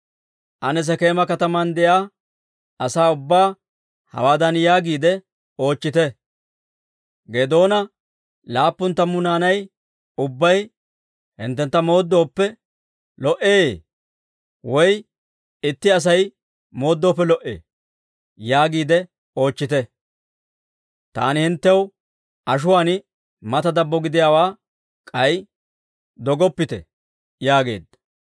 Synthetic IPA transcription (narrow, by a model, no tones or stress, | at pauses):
ʔɐnɛs̬ɛke̞ːmɐkɐt̪ɐmɐnd̪ɛjaː | ɐsaːʊbːaː | hɐ̰waːd̪ɐnjaːɡiːd̪ɛ | o̞ːt͡ʃːɪt̪ɛ | ɡed̪o̞ːnɐ | laːpːʊnt̪ːɐmːʊnaːnɐj | ʊbːɐj | hɪ̰nt̪ːɛnt̪ːɐmo̞ːd̪ːo̞ːpːɛ | lɔʔeː | wɔj | ɪt̪ːɪɐs̬ɐj | mo̞ːd̪ːo̞ːpːɛlɔʔḛː | jaːɡiːd̪ɛ | o̞ːt͡ʃːɪt̪ɛ | t̪a̰ːnɪhɪnt̪ːɛw | ɐʃ̬ʊwaːnɪ | mɐt̪ɐd̪ɐbːɔɡɪd̪ɪjaːwaː | kʼɐj | d̪ɔɡɔpːɪt̪ɛ̰ | jaːɡe̞̰ːd̪ːɐ̥